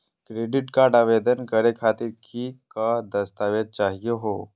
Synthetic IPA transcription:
kɾeɖiʈkaɾɖaʋed̪ənkəɾekʰat̪iːɾkikad̪əst̪aʋet̪̚t͡ʃaɦijeɦo

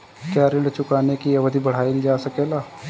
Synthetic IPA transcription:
kjaːɾɪɳɖt͡ʃʊkaːnekiəʋəd̪ibəɽ̤aːilid͡ʒaːsəkeːlaː

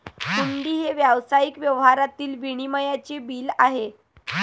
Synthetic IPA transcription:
kuɳɖ̪iːɦeʋjaʋsajikʋjəʋɦaɾat̪iːlʋiɽ̃iməjat͡ɕebiːlaɦe

